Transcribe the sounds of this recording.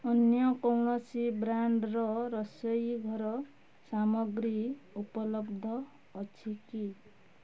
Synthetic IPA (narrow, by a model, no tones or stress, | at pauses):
ʌnjʌkʌwɽʌsibɾaɳɖrʌɾʌsʌjɡʱʌɾʌ | samʌɡɾiupʌlʌbd̪ʱʌː | t͡sʰiki